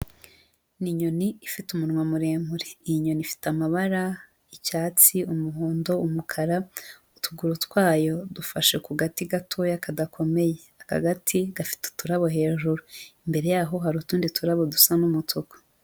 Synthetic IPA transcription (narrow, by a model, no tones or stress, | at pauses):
niɲo̞niːfitumunwamuɾeːmuɾeijiɲo̞nifi̥tamaβaɾa | icaːt͡siumuɦuːndo̞umukʰaɾautʰuɡuɾutwaːjo̞dufaʃekuɡatiɡatʰo̞jakadakʰo̞me̞je̞aka̰ɡatʰiɡafi̥te̥tuɾaβo̞ɦe̞ːʒuɾuimbe̞ɾe̞jaːɦo̞ɦaɾutuːndituɾaβo̞dusanumutʰoko̥